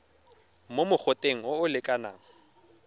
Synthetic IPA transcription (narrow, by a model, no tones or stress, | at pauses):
momʊk͡xʰʊtʼeŋ̩oʊlɪkʼana̰ːŋ̩